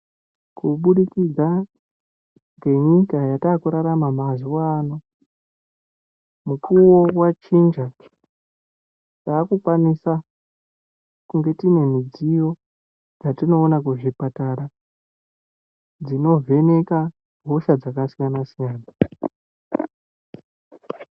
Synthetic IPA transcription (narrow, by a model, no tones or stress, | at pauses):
kuɓuɗikid͡zʱa | ŋɡe̞ɲikajataːkuɾaɾamamaziwaːno | mukʰuwo̞wat͡ʃind͡ʒa | taːkukwanisa | kuŋɡe̞tine̞mid͡zijo̞ | d͡zatino̞ːnakuʐipataɾa | d͡zino̞vʱe̞ne̞ka | bʱo̞ʃad͡zakasijanasijaːna